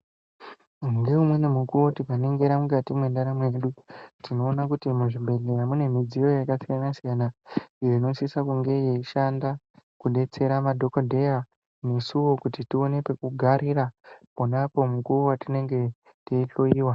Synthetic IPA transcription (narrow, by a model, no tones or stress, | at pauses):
uŋɡe̞umwenemukuwotipane̞ŋɡe̞ɾamukatimwe̞ndaɾamwe̞ɗutʰino̞ːnakutimuʐibʱe̞leɾamune̞mid͡zijo̞jakasijanasijanaijeino̞sisakuŋɡe̞jeiʃanda | kuɗe̞t͡se̞ɾamadʱo̞kodʱe̞ja | ne̞suwo̞kutitio̞ne̞pe̞kuɡʱaɾiɾaponapo̞mukuowatine̞ŋɡe̞ | teiɬo̞iːwa